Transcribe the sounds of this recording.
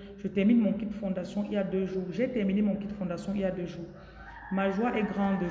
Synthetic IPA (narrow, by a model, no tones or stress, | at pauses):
ʒ̥ət̪ɛʁminmɔ̃kid̪əfɔ̃d̪asjɔ̃iljad̪øʒuːʁʒɛt̪ɛʁminemɔ̃kit̪d̪əfɔ̃d̪asjɔ̃iljad̪øʒuːʁ | maʒwaʔɛɡʁɑ̃d̪